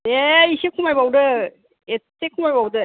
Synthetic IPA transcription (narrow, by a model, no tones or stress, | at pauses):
eisekʰumajbawdɯ | e | ekʰumajbawdɯ